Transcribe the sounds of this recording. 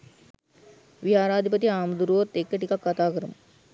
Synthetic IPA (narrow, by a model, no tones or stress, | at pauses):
ʋiɦaːɾaːd̪ʱipət̪iaːməd̪uɾuʋot̪ːekːeʈikakːat̪aːkəɾəmə